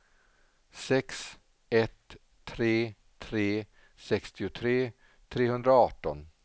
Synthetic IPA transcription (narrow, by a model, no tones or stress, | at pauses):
sɛks | ɛt̪ʰː | ɾeː | t̪ʰɾeː | sɛkst̪ɪʊt̪ʰɾeː | t̪ʰɾeːhɵnd̪ɾaɑːʈːɔn